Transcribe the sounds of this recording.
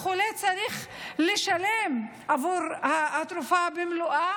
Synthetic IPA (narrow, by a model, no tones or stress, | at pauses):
χulet͡saʁiχleʃalem | ʔavuʁhaat̪ɾufabemluʔa